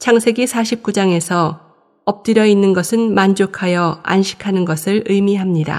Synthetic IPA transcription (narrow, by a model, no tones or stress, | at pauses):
t͡ɕʰaŋsʰe̞ɡisʰaɕʰip̚k͈ud͡ʑaŋe̞sʰʌ | ʌp̚t͈ɯɾjʌinːɯnɡʌsʰɯnmand͡ʑokʰajʌa̰nɕʰi̥kʰanɯnɡʌsʰɯɭɯjmiɦamɲida̰